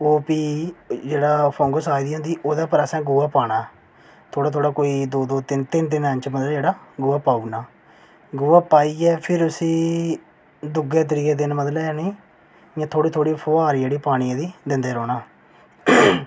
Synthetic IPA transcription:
oːpiːd͡ʒeːɽaːpʰõːŋɡəsaːid̪iːɦʊ̃nd̪iːʔoːd̪aːpəɾɛːsɛ̃ːɡuːaːpaːɽ̃aːɛ | t̪ʰoːɽaːt̪ʰoːɽaːkoːiːd̪oːd̪oːt̪ɪnt̪ɪnt̪ɪnə̃ɲt͡ʃməd̪lːd͡ʒeːɽaːɡuːaːpaːuːnaː | ɡuːaːpaːiːɛːpʰɪɾʊsĩː | d̪ʊɡɛːt̪əɾiːɛːd̪ɪnməd̪laaːniː | jãːt̪ʰoːɽiːt̪ʰoːɽiːpʰoːaːɾd͡ʒeːɽiːpaːɽ̃ijãːd̪iːd̪ɪnd̪eːɾɔːɽaː

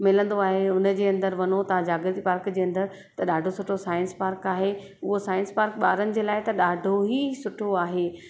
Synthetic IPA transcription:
mɪlə̃nd̪oaːɦeʊnə̆d͡ʑeːɐ̃nd̪əɾʋɐnot̪ɐʋ̤ãd͡ʑaːɡɪɾt̪ipaːɾkd͡ʑeːɐ̃nd̪əɾ | t̪ɐɗaːɖʱosʊʈʰosaːɪ̃nspaːɾkaːɦe | ʊɦosaːɪ̃nspaːɾkɓaːɾənɪ̆d͡ʑeːlaːɪt̪ɐɗaːɖʱoɦisʊʈʰoaːɦeː

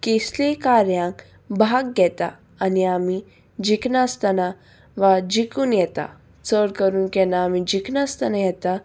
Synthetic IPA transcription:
keslekaɾjãŋk | bʱaɡɡɛt̪a̰ː | niami | d͡ʑiknast̪ana | ʋad͡ʑikuːnjɛt̪a̰ | t͡səɽkəɾuːnkɛnaːmid͡ʑiknast̪anajɛt̪a

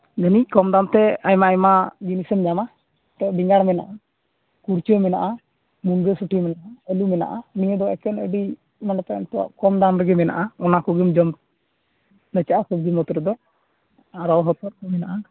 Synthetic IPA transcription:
ɡanikɔmd̪ant̪ɛajmaajmad͡ʒinisəmɲama | t̪ɔʔbiŋɡaɽmɛna̰ʔa | kuɾt͡ʃɔmɛna̰ʔa | munɡəsuʈimɛnaʔaəlumɛna̰ʔaniɲəd̪ɔwaɛkɛnə̰ɖi | manat̪aɛ̰nt̪ɔwa̰ʔkɔmd̪anɾɛɡɛmɛna̰ʔaɔnakɔɡimd͡ʒɔm | nɛt͡ʃaʔasɔb̚d̪imɔt̪ɔɾɛd̪ɔ | aɾɔwɦɔt̪ɔɾkɔmɛnaʔa

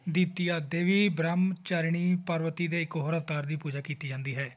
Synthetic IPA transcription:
d̪iːt̪iːaːd̪eːʋiːbɾamt͡ʃaːɾɳiːpəɾʋət̪iːd̪eːɪkɦoːɾəft̪aːɾd̪iːpuːd͡ʒaːkiːt̪iːd͡ʒãːnd̪iːɦɛː

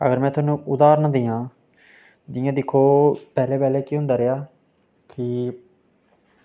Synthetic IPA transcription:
ə̰ɡəɾmɛ̃ːt̪ʰʊaːnũːʔʊd̪aːɾnãd̪iːjãː | d͡ʒɪjãːd̪ɪkʰːoːpɛːleːpɛːleːkiːɦʊ̃nd̪aːɾeːaː | kɪ

